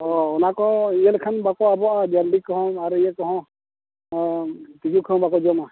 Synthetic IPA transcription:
ɔɔnakɔijɛlkʰanbakɔabɔʔad͡ʒaɾbikɔɦɔ̃aɾijɛkɔɦɔ̃ | t̪id͡ʒukʰɔɔ̃bakɔd͡ʒɔma

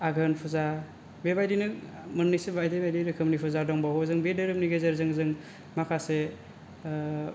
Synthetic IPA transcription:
aɡʱɯnpʰuza | bebajdinɯ | mɯnnisebajdibajdiɾɯkʰɯmnipʰuzadɔŋbaɦɔzɯŋbedɯɾɯp̚niɡezɯɾzɯŋzɯŋ | makʰase

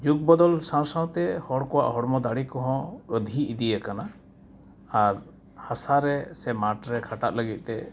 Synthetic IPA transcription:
d͡ʒuk̚bɔd̪ɔlsãw̃sãw̃t̪ɛhɔɽkɔwa̰ʔɦɔɽmɔd̪aɽikɔɦɔ̃əd̪ʱiid̪ijəkana | aɾ | hasaɾɛsɛmaʈɾɛkʰaʈaʔ̪ləɡit̪̚ˀt̪ɛ

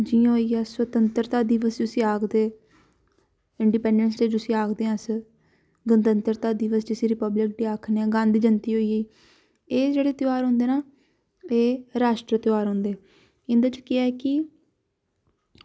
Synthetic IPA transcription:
d͡ʒiːãɦoiːaːswət̪ənt̪əɾt̪aːd̪iːʋəsd͡ʒʊsĩːaːkd̪eː | ɪɳɖiːpɛ̃ːɳɖənsʈeːd͡ʒʊsĩːaːkʰd̪eːãːs | ɡənd̪ənt̪əɾt̪aːd̪iːʋəsd͡ʒɪsĩːɾɪpəblɪk̚d̪iːaːkʰneãːɡãːnd̪iːd͡ʒənt̪iːɦoːiːeː | eːd͡ʒeːɽeːt̪ɪaːɾɦʊ̃ːnd̪eːnaː | eːɾaːʃʈɾət̪ɪaːɾɦõːnd̪eː | ɪ̃nd̪aːt͡ʃkɪɛːkɪ

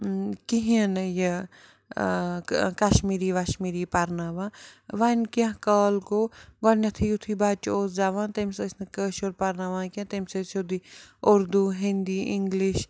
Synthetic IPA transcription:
kiɦiɐnje | kɐʃmiːɾiːʋaʃmiːɾipɐɾnaːʋaʋanʲkɐ̃ɦkaːlkoːɡɔnʲɐt̪ʰijut̪ʰibaːt͡ʃoːsd͡ʒaːʋãːnt̪emʲsəsʰʲnɨkəːʃoɾpɐɾnaʋãːkɐ̃t̪emsɐsod̪ioɾd̪uɦind̪iːiŋɡliʃ

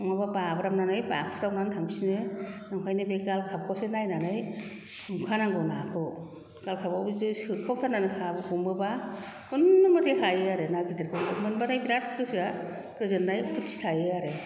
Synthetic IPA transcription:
ɔŋmabababɾamnanɯjba̰kʰpʰtawnantʰaŋbisinɯnaŋkʰajnɯbeɡalkʰap̚kʰawsenajnanɯj | mukʰanaŋɡɯnakʰɯw | ɡ̥alkʰabawbzɯsɯkʰɯwtʰananɯkʰabɯkumbɯba | unːɯmɯtʰehajɯaɾenaɡideɾkʰɯŋbɯmɯnbatajbiɾatʰkɯsa | kɯzɯnːajpʰutːi̥tʰajɯaɾe

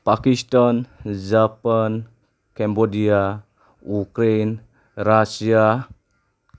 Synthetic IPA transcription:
pakistand͡ʒapan | kɛ̃mbodia | ukɾen | ɾasia

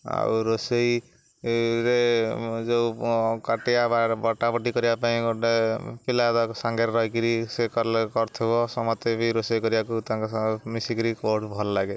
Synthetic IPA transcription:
a̰uɾosej | ɾed͡ʒokaʈijababɔʈːabɔʈikʌɾibapaĩoʈepilad̪ɔksaŋɡeɾɾʌjkiɾisekɔɾlekɔɾt̪ʰebɔsɔmɔt̪ebiɾosʌjkɔɾiakut̪ãkamisikiɾikoʈbʱɔllaɡe

